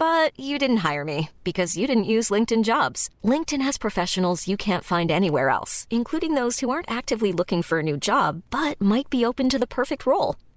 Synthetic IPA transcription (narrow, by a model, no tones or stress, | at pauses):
b̥ʌt͡ʃɨdɪdⁿn̩t̚ɦaɪə˞mib̥ɨkʰʌzjɨɾɪdⁿn̩ʔjʉzlɪ̃ŋk̚tɨ̃nd͡ʒɑbz̥lɪ̃ŋk̚tɨ̃nɨz̥pʰɹ̥ɨfɛʃɨn̩l̩ˠzjɨkʰæ̃ntfãɪ̃ndɛniwɛ̰ɹɛ̰lˠsɨ̃nkʰl̥uɾɪ̃ŋðoʊz̥huɑɹntæk̚tɨvlilʊkɪ̃ŋfə˞ɨnʉd͡ʒɑbːʌt̚maɪt̚b̥ioʊpɨ̃ntɨðəpʰɜ˞fɨk̚t̚ʰɹoʊlˠ